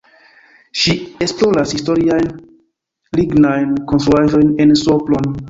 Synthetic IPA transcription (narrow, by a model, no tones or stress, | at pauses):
ʃiesploɾashistoɾiajn | liɡnajnkonstɾuaʒo̞jnensoplon